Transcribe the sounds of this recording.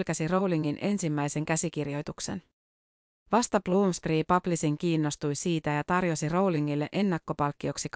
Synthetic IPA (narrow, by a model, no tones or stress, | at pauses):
lkæsiro̞wliŋːinʔe̞nsimːæjse̞ŋkæsikirjo̞jt̪ukse̞̰n | ʋɑst̪ɑpluːmspriːpɑplisiŋkiːnːo̞st̪ujsiːt̪æjɑt̪ɑrjo̞siro̞wliŋːilːe̞ʔe̞nːɑkːo̞pɑlkːio̞ksik